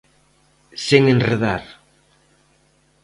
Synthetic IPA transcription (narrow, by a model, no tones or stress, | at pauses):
seŋenreðaɾ